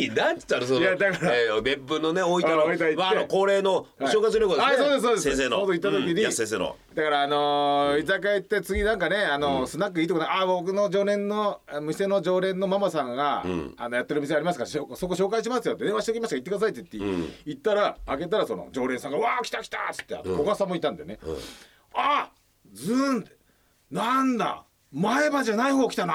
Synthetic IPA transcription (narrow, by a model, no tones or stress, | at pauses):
inat̪ɨ̥t̪ːaɾɯsod̪ad̪akaɾamebbɯnoneoiaoit̪aimaenokoːɾe̞ːnoaɕoːkais̬ɨɾɯkod̪asoːd̪e̞s̬sːoːd̪esẽsenod̪oit̪ːat̪o̞kʲiɲ̟isẽseno̰ | d̪akaɾaːno̞izakait̪ːe̞t͡sɨɡʲinãŋkane̞anosɨnak̬ːɯ̟iːt̪okonaabook̬ɯ̟no̞d͡ʑo̞ːɾẽ̞nːo̞amise̞no̞d͡ʑo̞ːɾẽ̞nːo̞mamasãŋɡaa̰no̞jat̪ːe̞ɾɯ̟miseaɾʲimasɨ̥kaɾaɕoso̞kːoɕ̬o̞ːkaiɕ̬imasɨjod̪eeβaɕit̪ekʲimaɕkait̪ːekɯd̪as̬ait̪̬ːei̥t̪ːeit̪ːaɾaːɡe̞t̪aɾasono̰d͡ʑo̞ːɾẽsãŋɡaɯaːkʲi̥t̪akʲi̥t̪at͡sɨ̥t̪ːea̰nokoɡasãmːoit̪ːãnd̪ene | a | d͡zɨnt̪ | nãnd̪a̰ | maebaʑanaihoːkʲit̪ana